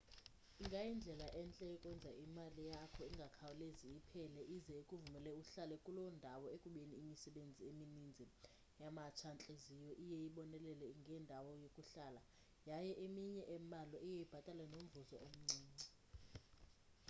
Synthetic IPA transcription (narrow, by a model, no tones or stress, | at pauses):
iŋɡʱajind͡ɮʱɛlaʔɛnt͡ɬʼɛkʼɛnd͡zʱaimalijakʰɔiŋɡʱakʰawɔleziipʰɛlɛʔizɛikʼuvumɛlɛuɬalɛkʼulɔndʱawɔekʼuɓeniːmisɛɓend͡zʱieminind͡zʱɛ | jamat͡ʃʰant͡ɬʼezijɔʔijejiɓɔnɛlɛlɛŋɡʱɛndʱawɔjokʼuɬala | jajɛʔemiɲɛʔɛmalɔʔijejib̥ʱatʼalanom̩vuzɔʔom̩ŋ͡ǀiːmɛ